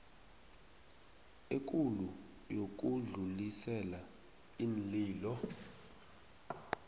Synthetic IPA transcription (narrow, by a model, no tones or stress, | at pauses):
ek̬ʼulu | jok̬ʼuɮulisɛla | inliːlɔ